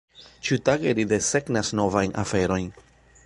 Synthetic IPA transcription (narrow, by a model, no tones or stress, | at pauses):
t͡ʃutaɡeɾid̪e̞se̞ɡnasno̞vajnʔa̰fe̞ɾo̞jn